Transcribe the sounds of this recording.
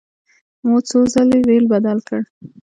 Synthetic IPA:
mot͡sozəleɾelbad̪alkəɽ

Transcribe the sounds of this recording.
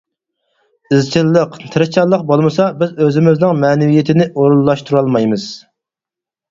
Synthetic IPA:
ɪzt͡ʃʰilːəqt̪ʰɨɾɨt͡ʃʰɑlˠːəq̚bolˠmɨsɑbɪzøzɪmɪznɪŋmɛːnɪvijet̪ʰɪnɪʔoɾulˠːɑʃt̪ʰuɾɑlˠmɑjmɨz̥

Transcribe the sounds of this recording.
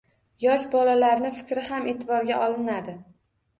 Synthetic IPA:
jɒʃbɒlalaɾnɪfɪ̥kʲɾɪɦamʔe̞ːt̪ʰɪbɒɾɡʲaʔɒlɪnad̪ɪ

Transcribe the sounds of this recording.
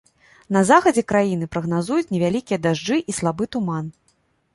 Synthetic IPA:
nɐzaxɐd͡zʲɛkɾajin̪ɨpɾɐɣnazujut͡sʲnʲɛvʲalʲikʲijɐd̪aʐd͡ʐɨʔislˠabɨt̪uman

